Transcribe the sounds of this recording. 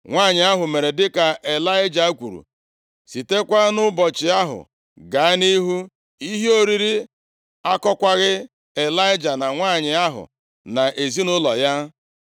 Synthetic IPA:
ŋʷaː˦˨ɲɪ˨˦a˦ɦʊ˨me˨ɾe˨dɪ˦ka˨ʔe˨la˦ɪ˦d͡ʒa˨˦kʷṵ˨ɾṵ˨ | si˨te˦kʷa˦nʊ˦bɔ˨t͡ʃɪ˨a˦ɦʊ̰˨ | ɡa˨a˦ni˦ɦu˦ | i˦ɦi˦o˦ɾi˦ɾi˦ | a˦kɔ˦kʷa˦ɣɪ˦ | e˨la˦ɪ˦d͡ʒa˨na˨ŋʷaː˦˨ɲɪ˨a˦ɦʊ̰˨ | na˨ʔe˨zi˦nʊ˦lɔ˨ja˦

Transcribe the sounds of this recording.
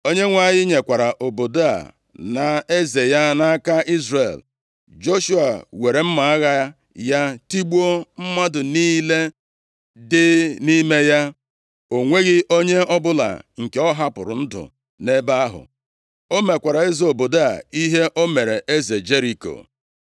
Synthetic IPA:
o˦ɲe˦ŋʷa˦˨jɪ˦ɲe˨kʷa˨ɾa˨ʔo˨bo˨da˦a̰˨ | na˨e˦ze˨ja˦na˦a˦ka˦ʔi˦zɾe˨l | d͡ʒo˦ʃu˦a˨we˨ɾe˨m̩˦ma˨a˦ɣa˦ | ja˦ti˦ɡ͡bu˦o˦m̩˦ma˦dʊ˨niː˦le˦ | dɪ˦ni˦me˦ja˦ | o˨ŋʷe˦ɣɪ˦ʔo˦ɲe˦ɔ˦bʊ˦la̰˨ŋ̩˨ke˨ɔ˦ɦa˦pʊ˨ɾʊ̰˨n̩˦dʊ̰˨ | ne˦ba˦a˦ɦʊ̰˨ | o˦me˨kʷa˨ɾa˨e˦zo˨bo˨da˦a̰˨i˦ɦe˦ʔo˦me˨ɾe˨ʔe˦ze˨d͡ʒe˦ɾi˨ko̰˨

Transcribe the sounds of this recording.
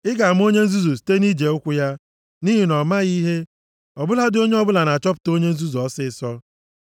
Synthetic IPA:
ɪ˦ɡa˨a˨m̩˦o˦ɲe˦n̩˦zu˦zu˨si̥˨te˦ni˦d͡ʒe˨ʊ˦kʷʊ˦ja˦ | ni˦ɦi˨nɔ˨ma˦ɣi˦ɦe˦ | ɔ˨bʊ˦la˦dɪ˦o˦ɲe˦ɔ˦bʊ˦la˨na˨t͡ʃɔ˦p̬ʊ̥˨to˦ɲe˦n̩˦zu˦zɔ˨˦sɪ˦˨sɔ˦

